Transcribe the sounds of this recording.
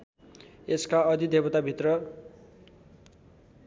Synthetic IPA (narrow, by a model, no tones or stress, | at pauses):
eskaʌd̪id̪ebʌt̪abʱit̪rʌ